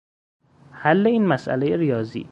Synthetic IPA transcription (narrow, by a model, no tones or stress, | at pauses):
hælːeiːnmæsʔæ̰lejeɾijɒːzḭː